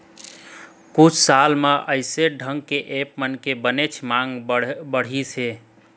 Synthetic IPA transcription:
kut͡ʃʰsalmeʔəɪseɖʱəŋɡkeʔepmənkebənet͡ʃʰmaŋɡbəɽ̤isʰe

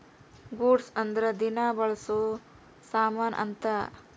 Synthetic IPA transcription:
ɡoːɖsɐnd̪ɐɾɐd̪inaːbɐɭɐsu | saːmaːnʔɐ̰nt̪ɐ

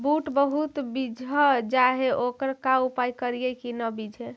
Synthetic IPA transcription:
buʈbəɦut̪bid͡ʒʱəd͡ʒaɦeʔokəɾkaupajkəɾijɛkinəbid͡ʒʱe

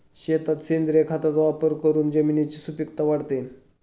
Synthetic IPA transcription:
ɕet̪at̪sind̪ɾekʰat̪at͡sʋapəɾkəɾuːnd͡ʑəminit͡ɕisupikt̪aʋaɽt̪en

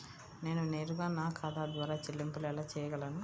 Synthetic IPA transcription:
ne̞ːnune̞ːɾuɡaːnaːkʰad̪aːd̪ʋaːɾaːt͡ʃelːimpulɛlaːt͡ʃɛːjɐɡɐlɐnu

